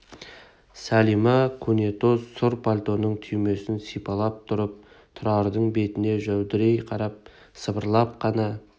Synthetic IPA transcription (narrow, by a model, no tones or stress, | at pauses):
sælimɑkʰune̞t̪o̞sːʊɾpʰalʲt̪o̞nːəɴt̪ʰʏjme̞sɪnsijpɑlˠɑp̚t̪ʰʊɾəp̚ | t̪ʰʊɾɑɾd̪əɴbe̞t̪ɪne̞ʒæwd̪ɪɾe̞jqʰɑɾɑp̚ | səbəɾlˠɑp̚qʰɑnɑ